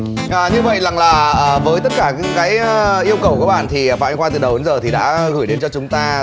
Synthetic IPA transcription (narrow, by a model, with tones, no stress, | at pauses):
ʔəː˨˩ɲɨ˧və̰˧˨jza˨˩ŋlaː˨˩ʔəː˨˩vəː˨˦jt̪ə˦˥t̚kaː˧˩ka˨˥kaː˨˦jʔi˧əwkə˨˩wkːɓa̰ː˧˩nt̪ʰi˨˩fa̰ː˧ŋxwaː˧˩ɨ˨˩ɗə˨˩wɗnzəː˨˩t̪ʰi˨˩ɗa̰ː˧˥ɣɨ˧˩jɗe˨˦nt͡ɕɔ˧t͡ɕʊ˨˦ŋ͡mt̪aː˧